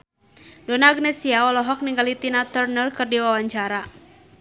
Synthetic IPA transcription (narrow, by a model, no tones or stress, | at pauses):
donaːɡnɛsiaɔlɔɦɔk̚niŋɡalit̪inat̪ɛrnəlkɨrdiwawaɲt͡ʃaɾa